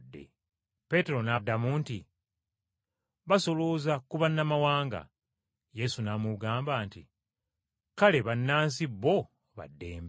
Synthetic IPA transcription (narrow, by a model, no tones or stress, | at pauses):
dːḛ | pe̞te̞ɾo̞nadːamuːnti | βaso̞loːzakuβanːamawaːŋɡa̰ | je̞sunaːmuɡaːmbaːntḭ | kale̞βanːaːns̬iβːo̞ | βa̰dːe̞ːmb